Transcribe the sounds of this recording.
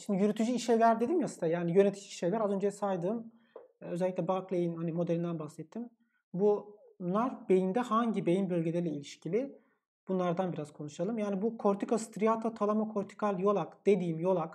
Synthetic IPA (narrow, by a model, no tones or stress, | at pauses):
ʃimd̪ijyɾyt̪ʰyd͡ʒyiʃejlʲæɾd̪e̞d̪imjasɯnajaːnijø̞net̪ʰi̥d͡ʒiiʃejlʲæɾazø̞nd͡ʒeɛsajd̪ɯːm | øzɛlʲːiclʲɛbaklʲˠejinhanimo̞d̪elʲind̪ænbaxsɛt̪ʰːim | bu | naɾbe̞jind̪ɛhaɲɟibejinbølʲɟelʲɛɾilʲɛilʲiʃcʰilʲi | b̥unlˠaɾd̪anbiɾaz̥kʰo̞nuʃalˠɯmjaːnibukʰo̞ɾt̪ʰikast̪ɾijat̪ʰat̪ʰalˠamakʰo̞ɾt̪ʰi̥kʰalʲˠjo̞lˠakd̪e̞d̪iːmjo̞lˠak